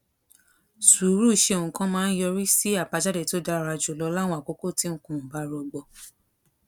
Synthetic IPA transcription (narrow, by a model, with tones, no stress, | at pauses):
su˨˦ɾu˦˨ʃe˧˨ũ˨kã˧˦mãː˦n̩˦jɔ˧ɾi˦si˦a˦˨pa˧d͡ʒa˦dɛ˦˨to˦da˧˨ɾa˧d͡ʒo˨lɔ˧˦la˦w̃ɔ̃˧a˨ko˧˦ko˦˨ti˨˦ŋ̩˦kũ˨m̩˨ba˧˦ɾɔ˧ɡ͡bɔ˧˨